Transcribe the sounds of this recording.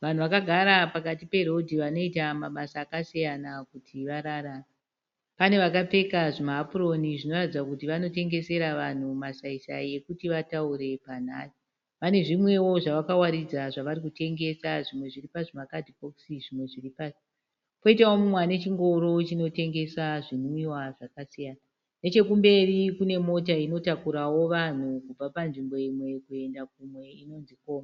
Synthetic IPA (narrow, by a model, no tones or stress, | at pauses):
ʋan̤uʋakaɡʱaɾapakatipe̞ɾo̞dʱiʋano̞itamaɓasaːkasijanakutʰiʋaɾaɾara | pane̞ʋakap͡fe̞kaʐimaɦːpuro̞niʐino̞ratid͡zakutiʋano̞te̞ŋɡe̞se̞ɾaʋan̤umasaisa̰je̞kutiʋatauɾe̞pan̤a̰ːsi̥ | pane̞ʐimwe̞wo̞ʐaʋakawaɾid͡zaʐaʋaɾik̬ute̞ŋɡe̞saʐimwe̞ʐiripaʐimakadʱikoksiʐimwe̞ʐiripaːsi̥ | po̞itawomumwane̞t͡ʃiŋɡo̞ɾo̞t͡ʃino̞te̞ŋɡe̞saʐiniwaʐakasijaːna | net͡ʃe̞kumbe̞rikune̞mo̞t̬aino̞takuɾawo̞ʋan̤ukub͡vapanʐimbo̞imwe̞kue̞ndak̚umwe̞ino̞nziko̞ːma